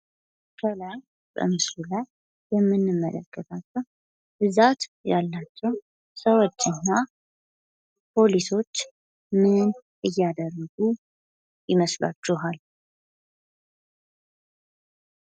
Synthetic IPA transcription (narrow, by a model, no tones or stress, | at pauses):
kʰəlaj | b̥ə̰mɨslulajː | ɛmːɨnːɨmːələ̰kʰːət̪ʰat͡ʃːɛw | bɨzat̪jalːat͡ʃːɛw | səwot͡ʃːɨnːa | pʰo̞liso̞t͡ʃː | mɨnʔɨjːad̪ərːəɡu | jɪməsla̰t͡ʃːuɦal